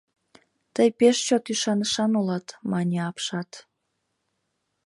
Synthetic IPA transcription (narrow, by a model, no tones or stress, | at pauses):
t̪əjpeʃt͡ɕot̪yʃɑnəʃɑnolɑt̪mɑnʲeɑpʃɑt̪